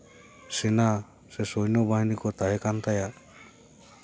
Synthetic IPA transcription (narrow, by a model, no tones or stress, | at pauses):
sɛna | sɛsɔjnɔbaɦinikɔt̪aɦɛkant̪aja